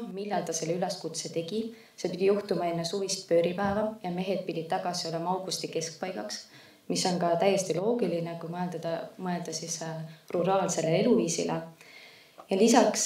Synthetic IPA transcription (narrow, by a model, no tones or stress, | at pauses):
milːɑlt̪ɑse̞lːeyle̞skut̪se̞t̪e̞ɡ̥i | se̞pid̪̥ʲijuht̪umɑe̞nːesuvist̪̚pø̞ːɾipæevɑjɑme̞ɦe̞d̪̥̚pid̥̪ʲid̪̥̚t̪ːɑɡ̥ɑsio̞le̞mɑɑwɡ̥ust̪ike̞sk̚pɑjɡɑks | miso̞nkɑt̪æjːe̞st̪ilo̞ːɡilinekujmɤeld̪̥ɑd̪̥ɑmɤe̞ld̪̥ɑsisruɾɑːlse̞lee̞luviːsḭle | jɑlisɑks